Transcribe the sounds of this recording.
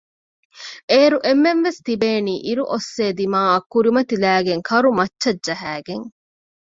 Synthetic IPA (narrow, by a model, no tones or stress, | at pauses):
ʔeːɾuʔemːenʋest̪ibeːniːʔiɾuʔosːeːd̪imaːɐkːuɾimɐt̪ilæːɡeŋkʰɐɾumɐtːʃɐdd͡ʒɐɦæːɡeŋ